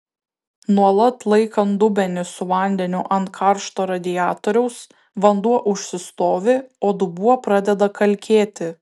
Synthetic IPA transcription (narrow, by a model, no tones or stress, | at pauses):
nuɔlˠɐt̪lˠɐɪkɐnd̪ʊbʲɛnʲɪsʊʋɐˑnʲd̪ʲɛnʲʊʔɐnt̪̚kʰɑˑɾʃt̪oːɾɐd̪ʲɪjæːt̪oːɾʲɛʊs | ʋɐnd̪uɔʔʊʃʲsʲɪst̪oːʋʲɪoːd̪ʊbuɔpɾɑːd̪ʲɛd̪ɐkɐlʲkʲeːt̪ʲɪ